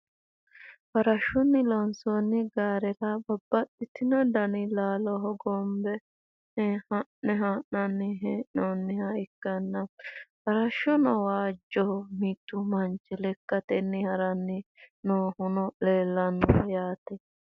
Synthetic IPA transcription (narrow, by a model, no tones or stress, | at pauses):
fɐɾɐʃɔnːɪlɔnsonːɪɡaːɾɛɾɐbɐbːɐtːɪt̪ɪnɐd̪ɐnɪlaːlɔɦɔɡɔmbɛ | nɛhɐnɛɦɐɐnːɪɦɛnoːnːɪhɐɪkːɐnːɐfɐɾɐʃːɔnɔwaːd͡ʒːɔmit̪ːʊmɐnt͡ʃːɛlɛkːɐt̪ɛnːɪhɐɾɐnːɪnoːhʊnɔleːlːɐnːɔfɐjaːt̪ɛ